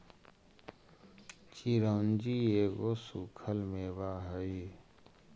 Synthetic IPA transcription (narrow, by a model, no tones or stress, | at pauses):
t͡ʃiɾõːnd͡ʒieːɡosukʰəlmeːbaːɦəi